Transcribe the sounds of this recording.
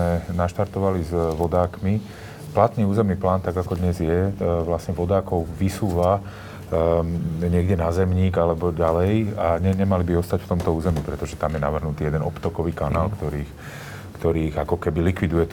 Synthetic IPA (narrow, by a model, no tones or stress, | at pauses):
ɛnaʃt̪aɾt̪ɔʋalizʋɔd̪aːkmi | plat̪niːuːzɛmniːplaːnt̪aɡakɔd̪ɲɛzjɛʋlasɲɛʋɔd̪aːkɔʊʋisuːʋa | ɲɪɛɡɟɛnazɛmɲiːɡalɛbɔɟalɛjaɲɛɲɛmalibiɔst̪acft̪ɔmt̪ɔuːzɛmipɾɛt̪ɔʒɛt̪amjɛna̰ʋr̩ɦnut̪iːjɛd̪ɛnɔ̰pt̪ɔkɔʋiːkanaːlkt̪ɔɾiːx | kt̪ɔɾiːɣakɔkɛbilikʋid̪ujɛt̪